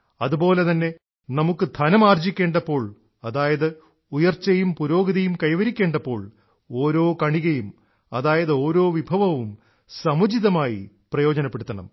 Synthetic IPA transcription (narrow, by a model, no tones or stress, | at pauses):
ɐðubo̞ːle̞t̪ɐnːe̞ | nɐmukːɨd̪ʱɐnɐmaːrd͡ʑikʲːe̞ːɳɖɐpːo̞ːɭ | ɐðaːjɐðɨ | ujɐrt͡ɕːɐjumpuɾo̞ːɡiðɐjumkɐjʋɐɾikʲːe̞ːɳɖɐpːo̞ːɭ | o̞ːɾo̞ːkɐɳiɣɐjum | ɐðaːjɐðɨo̞ːɾo̞ːʋibʱɐʋɐʋum | sɐmud͡ʑiðɐmaːjḭ | prɐjo̞ːd͡ʑɐnɐpːe̞ɽut̪ːɐɳɐ̰m